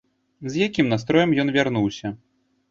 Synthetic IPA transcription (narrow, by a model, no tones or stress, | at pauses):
zʲjakʲimnast̪ɾɔjɐmjɔnvʲarnuwsʲɐ